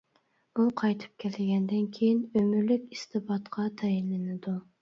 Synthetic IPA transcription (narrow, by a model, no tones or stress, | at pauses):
uqʰɑjt̪ʰɨ̥p̚kʲʰɛlɪɡʲɛnd̪ɪnkʲʰejinømyɾlykʲist̪ʰɨbɑt̪qʰɑt̪ʰɛjinlɪnɪd̪u